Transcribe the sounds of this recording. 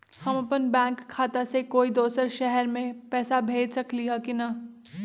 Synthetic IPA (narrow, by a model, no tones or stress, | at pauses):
hɐmɐpənbɛ̃ːŋkʰːaːt̪asekoːid̪oːsəɾʃɛɦɛɾmẽpɛːsabʱeːd͡ʒsɐkliɦakinɐ